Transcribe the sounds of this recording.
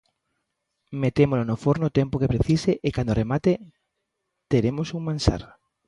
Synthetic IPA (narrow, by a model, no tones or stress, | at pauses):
met̪emolonofoɾnot̪empokepɾeθiseʔekand̪oremat̪e | t̪eɾemosuŋmãnsa̰ɾ